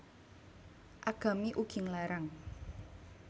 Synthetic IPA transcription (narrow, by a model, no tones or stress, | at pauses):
ʔaɡ̥a̤miʔuɡ̥ɪ̤ŋlaɾaŋ